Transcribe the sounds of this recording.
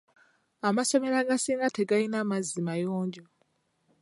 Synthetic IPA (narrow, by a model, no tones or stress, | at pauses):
amaso̞me̞ɾaɡasiːŋɡate̞ɡajinamazːimajoːɲɟo